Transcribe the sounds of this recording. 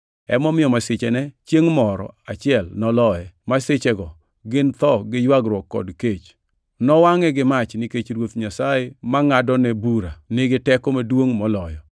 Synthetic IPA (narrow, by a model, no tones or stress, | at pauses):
ɛ̰mɔmɪjɔmasɪt͡ʃɛnɛt͡ʃjeŋmɔɾɔ̰a̰t͡ʃɪɛlnɔlɔɛmasɪt͡ʃɛɡɔ | ɡɪnt̪ɔɡɪjwaɡɾwɔkːɔ̰dket͡ʃ | nɔwaŋɛɡɪmat͡ʃnɪket͡ʃɾwot̪ɲasaemaŋadɔnɛbuɾanɪɡɪtɛkomadwoŋmɔlɔjɔ